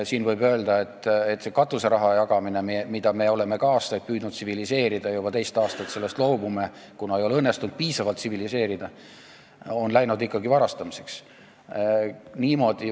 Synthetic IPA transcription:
siːnvɤjbø̞ːld̪ɑe̞t̪ːet̪ːˑsekɑt̪ˑuse̞ɾɑɦɑjɑɡ̥ɑmine̞mimid̪̥ɑme̞o̞le̞me̞kɑːst̪ɑjt̪̚pyːd̪nut̪̚sivilise̞ːɾid̪̥ɑjub̥ɑt̪e̞jst̪ɑːst̪ɑt̪se̞lːe̞st̪lo̞ːbumekunɑejo̞leɤnːe̞st̪und̪̥̚piːsɑvɑlt̪sivilise̞ːɾid̪̥ɑ | o̞nlæjnud̪ikːɑɡivɑɾɑst̪ɑmise̞̥ks | niːmo̞d̪̥i

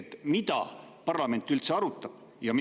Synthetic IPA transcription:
t̪mid̪̥ɑ̰pɑrlɑme̞nt̪ːˑylt̪se̞ɑɾut̪ˑːɑb̥̚ | jɑm

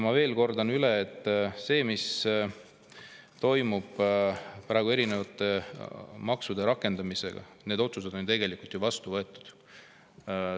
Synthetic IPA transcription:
mɑve̞ːlko̞rd̪ɑnyleːt̪ːˑse̞ːmis | t̪o̞jmub̥pɾɑeɡue̞ɾine̞vɑt̪ːˑe̞mɑksud̪̥e̞ɾɑkːˑe̞nd̪̥ɑmise̞ɡ̥ɑ̰ne̞ːd̪o̞t̪suse̞d̪o̞nt̪e̞ɡe̞likult̪juvɑst̪uvɤ̞e̞t̪ːˑu̥d̪̥

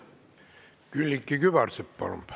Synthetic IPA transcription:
kylːikːikyʋɑrseppɑ̰lo̰mp

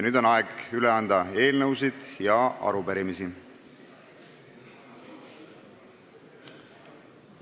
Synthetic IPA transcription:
nyːd̪̥o̞nɑeɡyleɑnd̪ɑe̞ːlnəwsid̪̥jɑɑ̰ɾupeɾimisi

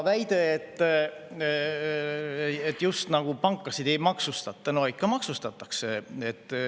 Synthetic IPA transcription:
væjd̪e̞et̪ː | et̪ːˑjust̪nɑɡ̥upɑŋkːˑɑsid̪̥e̞jmɑksust̪ɑt̪ˑːɑnoj̪̚kːɑmɑksust̪ɑt̪ːˑɑkseet̪ː

